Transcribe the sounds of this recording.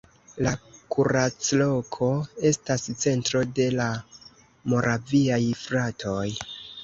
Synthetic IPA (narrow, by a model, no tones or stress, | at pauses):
lakuɾat͡slo̞kʰo̞e̞stast͡se̞ntɾo̞de̞la | mo̞ɾʔaviajfɾatʰo̞j